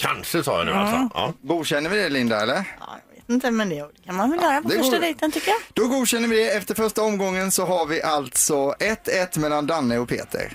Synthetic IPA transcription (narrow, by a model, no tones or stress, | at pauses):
kʰanʂəsɑ̰ːja̰d̪ʉ̰a̰sɔɑ̰ɡuːd̪ɕɛnːəɾvɪd̪ɛlɪnd̪aɛlːəɾɑ̰ːjɑ̰ːɡvḛːt̪ɪnt̪əmɛnd̪ɛd̪ɛkʰanmanvɛljœːɾapɔd̪ɛfʂad̪ɛjt̪ənt̪ʰʏkːəjad̪̥ɔɡuːd̪ɕɛnːəvɪd̪ɛɛft̪əɾfœʂʈaɔmɡɔŋːənsɔɦaɾvɪʔalt̪sɔɛt̪ʰːɛt̪ːmɛlːand̪anːəɔpʰḛːt̪ʰə̰ɾ